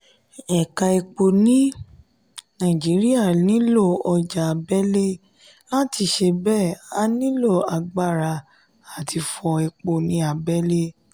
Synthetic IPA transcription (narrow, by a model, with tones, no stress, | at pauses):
ɛ˨ka˧e˧k͡po˨nĩ˦ | nã˦˨d͡ʒi˨˦ɾi˦a˦˨nĩ˨˦lo˦˨ɔ˧d͡ʒa˨bɛ˦le˦ | la˦ti˧˨ʃe˧bɛ˦˨a˧˦nĩ˦lo˦˨a˨ɡ͡ba˦˨ɾa˧ | a˨tʰi˧fɔ˧e˧k͡po˨nĩ˦a˧bɛ˦le˦